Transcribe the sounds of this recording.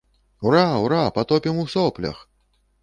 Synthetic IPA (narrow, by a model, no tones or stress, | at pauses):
wɾawɾapat̪ɔpʲimusɔplʲɐ̰x